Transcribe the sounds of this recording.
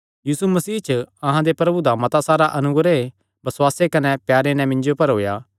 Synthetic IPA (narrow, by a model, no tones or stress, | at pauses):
jiːsumɐsiːt͡ʃɐɦãd̪epɾɐbud̪amɐt̪asaːɾaʔɐnʊɡɾe | bɐswaːsekɐnɛpjaːɾenɛ̃mɪ̃nd͡ʒopɐɾɦo̰ːjaː